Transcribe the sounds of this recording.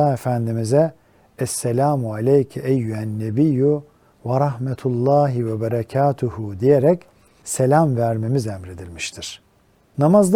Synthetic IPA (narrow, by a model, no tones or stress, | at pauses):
aːefænd̪imizɛ | ɛsːelʲaːmualʲejcʰɛɛjːuænːebiju | vaɾɑhmɛt̪ʰulˠːaːɦivɛbaɾacʰaːt̪ʰuhud̪ijeɾɛc | selʲamvæɾme̞mizɛmɾe̞d̪ilʲmiʃt̪ʰiɾ̥ | namazd̪